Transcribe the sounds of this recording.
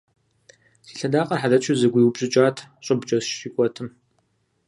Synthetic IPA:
siːɬɐdaːqʼɐrħaðɐt͡ʃʼʰʊzɐɡʷijwbɕʼɪt͡ʃʼaːtʰɕʼɪbt͡ʃʼɐʃɪkʷʼɔtʰɨm

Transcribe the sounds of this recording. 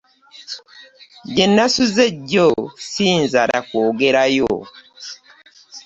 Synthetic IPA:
ɟenːasuzeɟːosiːnzaɾa̰koːɡeɾajo̰

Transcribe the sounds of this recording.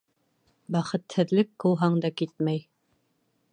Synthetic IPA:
bæχɤ̆t̪hɘ̆ðlɘkːɤ̆wˠɦɑɴd̪ɑkit̪mæj

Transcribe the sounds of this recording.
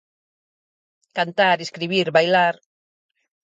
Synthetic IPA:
kant̪aɾeskɾiβ̞iɾβajlaɾ

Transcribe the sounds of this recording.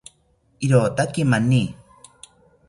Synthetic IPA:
iɾoːt̪akimani

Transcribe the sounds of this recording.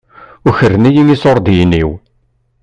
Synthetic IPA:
ʊçərːənæjiŋisoɾˤd̪jinːiw

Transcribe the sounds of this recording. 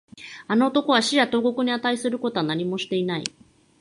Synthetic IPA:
ano̞ːt̪o̞ko̞βaɕijat̪o̞ːɡo̞kɯ̟ɲ̟iat̪aisɨɾɯ̟ko̞t̪o̞anaɲ̟imo̞ɕi̥t̪e̞inaḭ

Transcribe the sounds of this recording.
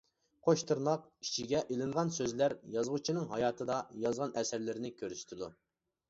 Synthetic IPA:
qʰoʃt̪ʰɨɾnɑqit͡ʃʰiɡʲɛʔelɪŋʁɑnsøzlæɾjɑzʁut͡ʃʰinɨŋɦɑjɑːt̪ʰɨd̪ɑjɑzʁɑnɛsæɾlɪɾɪnɪkʲʰøɾyʃt̪ʰɪd̪u

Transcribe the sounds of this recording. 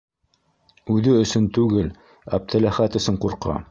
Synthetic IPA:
ʉðɘɵ̆sɵnt̪ʉɡɘl | ɑ̰p̚t̪ʰɘ̆læχæt̪ɵ̆sɵɴquɾqʰɑ̰

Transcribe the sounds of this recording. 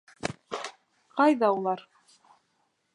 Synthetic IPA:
qɑjðɑulˠɑɾ

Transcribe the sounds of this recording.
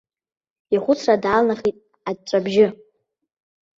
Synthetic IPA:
iχʷʊt͡sʰradaːlnaχitʼ | ad̚ʈ͡ʂʷʼabʒɪ

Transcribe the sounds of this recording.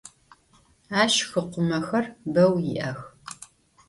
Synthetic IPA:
aːʃɕxɨqʷʊmɐxɐrbɐwjɪ̰ʔɐx

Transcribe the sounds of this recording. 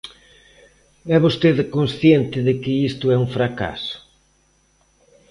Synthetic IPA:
ɛβost̪eðkõnsθjent̪ɪðɪkɪist̪ʊɛũfɾaka̰sʊ̥

